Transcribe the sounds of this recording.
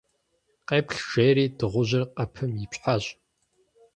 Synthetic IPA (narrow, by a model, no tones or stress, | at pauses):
qeːpɬʒ̥eːɾiːdɨʁʷʊʑɐrqɐpʰɨmjipɕħaɕʼ